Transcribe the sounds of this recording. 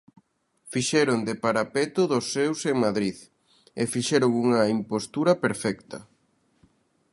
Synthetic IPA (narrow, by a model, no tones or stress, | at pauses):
fiʃɛɾʊŋd̪epaɾapɛt̪ʊðʊsːewseŋmaðɾið | efiʃɛɾoŋuŋɐimpost̪uɾɐpeɾfɛkt̪ɐ